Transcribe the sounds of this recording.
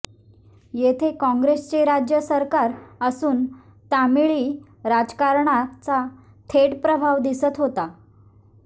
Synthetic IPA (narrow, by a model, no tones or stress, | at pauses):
jet̪ʰekɔ̃ŋɡɾest͡ɕeɾad͡ʑjəsəɾkaɾəsuːn | t̪amiɭiː | ɾad͡zkaɾɳat͡sa | t̪ʰeʈpɾəbʱaʋd̪isət̪ɦot̪a